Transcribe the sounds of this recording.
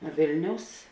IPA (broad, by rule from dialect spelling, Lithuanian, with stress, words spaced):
ˈʋʲeːlʲnʲɛʊs